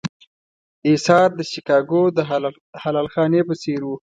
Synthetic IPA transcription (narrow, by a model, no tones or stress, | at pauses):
esɑɾd̪əʃikɑɡod̪ə | halɑlxɑnepəseɾwu